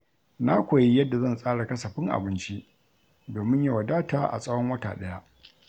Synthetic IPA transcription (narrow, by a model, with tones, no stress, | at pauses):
na˦kʷoː˨ji˦jɐ˦dːa˨zɐ˦˨nsʼaː˦ɽa˨kɐ˦sɐ˨ɸɪ˦ŋʔa̰˨bɪ˦nt͡ʃi˦ | doː˨mɪ˦ɲja˦wɐ˨daː˦ta̰ː˨ʔa̰˨sʼɐ˦wɔ˦ŋwɐ˦ta̰ː˨ɗɐ˦ja˦ʔ